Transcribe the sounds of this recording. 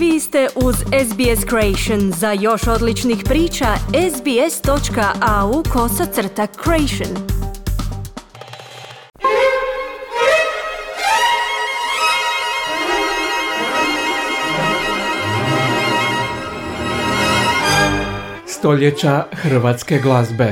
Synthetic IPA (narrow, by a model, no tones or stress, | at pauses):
ʋiːst̪eʔuzezbieskɾoejʃonzajo̞ʃo̞d̪lit͡ʃnixpɾiːt͡ʃaezbiest̪o̞t͡ʃkaʔaukʰo̞sat̪sr̩t̪akʰːɾoejʃon | st̪o̞ʎet͡ɕaxr̩ʋat̪skeɡlˠazbe